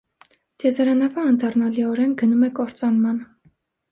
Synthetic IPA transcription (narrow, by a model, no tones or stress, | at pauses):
d̪̥ʰjɛzɑɾɑnɑvɑːnd̪ɑrnɑliɔɾɛnɡənumɛkɔɾt͡sɑnmɑnə